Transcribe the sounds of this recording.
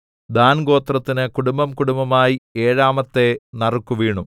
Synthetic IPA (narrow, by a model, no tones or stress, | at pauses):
d̪aːnɡo̞ːt̪rɐt̪ːinɨkuɽumbɐmkuɽumbɐmaːjieːɻaːmɐt̪ːe̞nɐrukːuʋiːɳu